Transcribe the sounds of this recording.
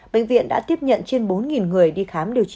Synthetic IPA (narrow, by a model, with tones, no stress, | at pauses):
ɓḛ̈˧˨ŋ̟vḭ˧˨ənɗa̰ː˧˥t̪i˦˥əp̚ɲə̰˧˨nt͡ɕe˧nɓo˨˦nŋi˨˩nŋɨ˨˩əjɗi˧xaː˨˦mɗi˨˩əwt͡ɕ